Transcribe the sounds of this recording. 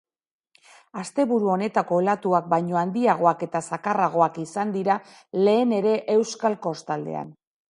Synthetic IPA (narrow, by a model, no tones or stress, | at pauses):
ast̪e̞βuɾuo̞ne̞t̪ako̞elat̪uak̚bajɲo̞and̪iaɣ̞o̞ake̞t̪asakaraɣ̞o̞akisand̪iɾa | le̞ːne̞ɾe̞ʔe̞wskalko̞st̪ald̪e̞̰a̰n